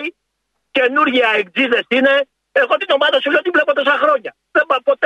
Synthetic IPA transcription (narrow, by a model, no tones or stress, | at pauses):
i | ce̞nuɾʝiɐek̚d͡ziðe̞sine̞ | eɣo̞t̪ino̞mɐðɐsuleot̪ivle̞pot̪o̞sɐxɾo̞ɲɐ | ðebɐpo̞t̪